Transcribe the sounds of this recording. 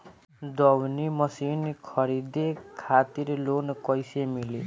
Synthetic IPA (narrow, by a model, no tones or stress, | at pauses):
d̪ʌwnimʌsinkʰʌɾid̪ekʰat̪iɾelonkʌjsemile